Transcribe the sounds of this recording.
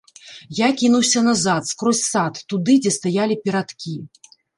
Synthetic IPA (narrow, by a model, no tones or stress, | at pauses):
jakʲinuwsʲɐnazat̪skɾɔsʲsat̪ːud̪ɨd͡zʲɛst̪ajalʲipʲɛɾat̪kʲi